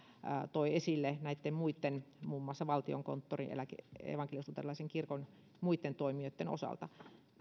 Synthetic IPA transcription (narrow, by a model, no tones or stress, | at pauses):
t̪oiesilːenæit̪ːemmuit̪ːenmuːmːɑsːɑʋɑlt̪io̰ŋko̰nt̪ːorḭnʔḛlækḛḛʋɑŋkelist̪ut̪ḛlːɑiseŋkirkon | muit̪ːent̪oimiot̪ːeno̰sɑ̰lt̪ɑ